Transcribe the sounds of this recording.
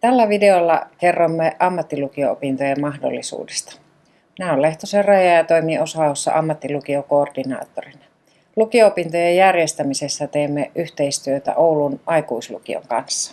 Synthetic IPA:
t̪ælːæʋideolːɑ̰kerːomːeʔɑmːɑt̪ːilukioopint̪ojemmɑxdo̰lːisṵːdest̪ɑ̥ | næolle̞ht̪oserrɑjɑjɑt̪oimiʔosɑosːɑ̰ʔɑmːɑt̪ːilukiokoːrdinɑ̰ːt̪ːorinɑ | lukioopint̪ojejjærjest̪æmisesːæt̪eːmːeʔyht̪e̞ist̪yøt̪æ̰ʔoulunʔɑjkuislṵkḭo̰ŋkɑnsːɑ̥

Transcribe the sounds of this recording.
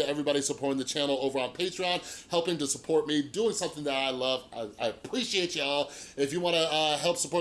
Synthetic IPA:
ɨɛvɹibɑɾisəpʰɔɹɾɪ̃ŋðɨt͡ʃʰænl̩ˠoʊvə˞ə̃npʰeɪtɹ̥iɑ̃nhɛlˠpɪ̃ŋtɨsəpʰɔɹt̚miduɪ̃ŋsʌ̃mθɪ̃ŋðɨɾaɪlʌva̰ɪaɪəpʰɹ̥iʃieɪt͡ʃɨɔlˠɪfjɨwɑ̃ñəʌɦɛlˠpsəpɔ

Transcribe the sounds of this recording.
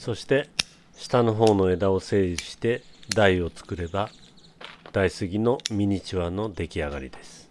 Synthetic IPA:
so̞ɕi̥t̪e̞ | ɕi̥t̪ano̞ɦo̞ːno̞e̞d̪ao̞se̞ːi̥ɕi̥t̪e̞d̪aio̞t͡sɨ̥kɯ̟ɾe̞ba | d̪̥aisɨɡʲino̞mʲiɲ̟it͡ɕiβano̞d̪e̞kʲiaɡa̰ɾʲḭd̪e̞sɨ̥

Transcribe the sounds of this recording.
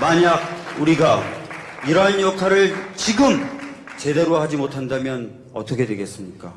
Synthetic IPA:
maɲaɡ̚uɾiɡa | iɾʌɦanjʌkʰaɾɯɭt͡ɕiɡɯmt͡ɕe̞de̞ɾohad͡ʑimotʰandamjʌn | ʌ̰tʰʌkʰe̞dwe̞ɡe̞s͈ɯmɲik͈a

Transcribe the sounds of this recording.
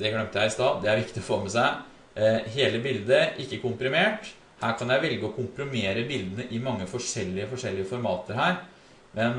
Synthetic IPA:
d̪ɛɡlœmt̪jæɪɾɪst̪ɑːd̪ɛæɾʋɪkt̪ɪɔfoːmɛsæɪ | ɦeːləbɪld̪əʔɪkːəkʊmpɾɪmeːʈ | hæːɾkʰɑnjæɪʋɛlɡəɔkʰʊmpɾʊmeːɾəbɪld̪ənəʔɪmɑŋːəfɔʂɛlːɪəfɔʂɛlːɪəfɔɾmɑːt̪əɾɦhæːɾ | mʔɛn

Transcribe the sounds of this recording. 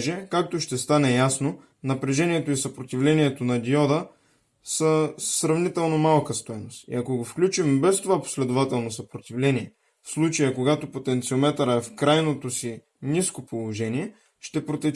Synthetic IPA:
ʒɛkak̚t̪oʃt̪ɛst̪anɛjasno | nɐpɾɛʒɛniɛt̪oisɐpɾot̪ʲivlɛniɛt̪onɐd̪iɔd̪ə | səsɾɐvnit̪ɛlˠnomalˠkəst̪ɔjnost̪ḭɐkoɡofklʲut͡ʃimbɛst̪ovapo̥slɛd̪ovat̪ɛlˠnosɐpɾot̪ivlɛniɛ | fslˠut͡ʃəjəkoɡat̪opot̪ɛnt̪siomɛt̪əɾəɛfkɾajnot̪osi | niskopolˠoʒɛniɛ | ʃt̪ɛpɾot̪ɛ

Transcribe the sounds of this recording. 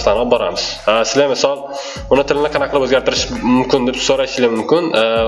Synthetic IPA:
slanɒp̚bɒɾa̰mɪz̥asɪzlamɪsɒlˠ | ʊnɪt̪ʰɪlɪnɪqʰɑnaqʰlˠɪpɵzɡʲaɾt̪ʰɪɾɪʃmʊmkʰʲɪnd̪epsoɾaʃɪlʲɪmʊmkʲɪn

